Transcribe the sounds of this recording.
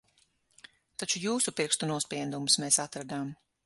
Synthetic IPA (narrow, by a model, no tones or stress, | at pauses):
t̪at͡ʃujuːsupiɾkst̪unuɔspiɛd̪umsmeːsat̪ɾad̪am